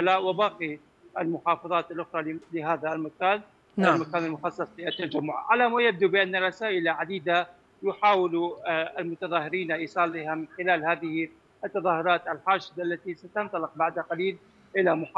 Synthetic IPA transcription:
laːʔwɪbɑːqi | ʔalmʊħɑːfɑðˤɑːt̪alʔʊxɾˤɑlɪɦaːðalmakaːn | amakaːnalmʊxɑsˤːɑsˤlɪʔat̪ːad͡ʒamːʊʕ̰ʕalamajab̚d̪ubɪʔanːarˤɑsaːʔɪlaʕad̪iːd̪a | jʊħaːwɪlalmʊt̪ɑðˤɑːhɪɾiːnaʔiːsˤɑːlːɪhamɪnxɪlaːlhaːðɪhi | ʔat̪ːɑðˤɑːhʊɾˤɑːt̪alħaːʃɪd̪aalːat̪isat̪ɑnt̪ˤɑlɪq̚baʕd̪aqaliːl | ʔɪlamʊħ

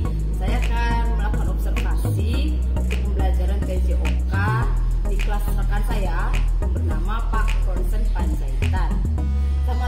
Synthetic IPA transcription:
sajaŋa | unabəɾɔbsərfasi | kəmublad͡ʒaɾanped͡ʒeʔoka | diklasasakansaja | bərnamapakkɔnsənpansait̪an | sama

